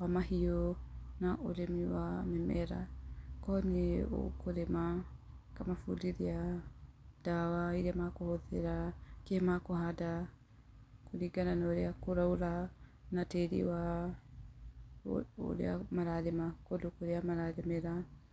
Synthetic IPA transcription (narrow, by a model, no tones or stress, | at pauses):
wamahionaʔoɾemiwamɛmɛɾa̰kɔneo̰koɾema | kamafṵdiɾia | d̥awaiɾeamakohoðeɾakemakoɦada | kʰoɾiɡananaoɾeakoɾauɾa | nateɾḭwa | o̰ɾḛamaɾaɾemakodokoɾeamaɾaɾemeɾa